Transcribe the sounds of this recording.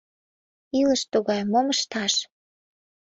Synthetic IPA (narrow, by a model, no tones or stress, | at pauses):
iləʃt̪uɣɑjmoməʃt̪ɑʃ